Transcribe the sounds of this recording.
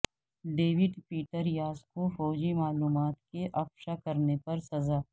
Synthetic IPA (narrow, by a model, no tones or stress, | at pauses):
ɖeːʋɪɖpiːʈəɾjaːzkofɔːd͡ʒimaːluːmaːt̪keʔɐfʃakɐɾnepɐɾsɐzaː